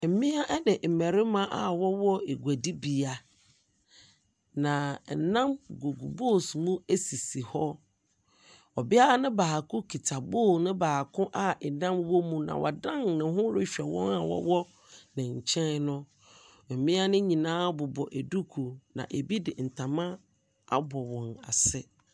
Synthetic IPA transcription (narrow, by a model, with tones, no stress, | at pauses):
m̩˨mɪ̃˦a˦ʔɛ˦dɪ˨m̩˨mɛ̃˨ɾɪ˦mã˦ʔa˨wɔ˦wɔ˦e˨ɡʷæ˨di˦bi˨a˨ | nã˨nã˦mɡu˨ɡu˨bo˦˨smũ˦e˦si˨si˨hɔ˦ | ɔ˨bɪ˦a˦a˦nɪ̃˦baː˨kʰʊ̃˦kʰi˨tʰa˨boː˦˨nʊ̃˦baː˨kʰʊ̃˦ʔa˦ɛ˨nã˦mwɔ˦mũ˦nã̰˨wʔa̰˨dã˦ŋnɪ̃˨ɦʊ̃˦ɾɪ˦ɕᶣɛ˨wɔ̰̃˦na˨wɔ̰˦wɔ˦ | nɪ̃˨ɲ̩˨t͡ɕʰɛ̃˦nnʊ̃˦ | m̩˨mɪ̃˦a˦nɪ̃˦ɲĩ˨nãː˦bʊ˨bɔ˨ʔe˨du˦kʰu˨nã̰˨ʔe˨bi˦dɪ˨n̩˨tʰã˨mã˦ | a̰˦bɔ˨wɔ̃˨na̰˨sɛ˦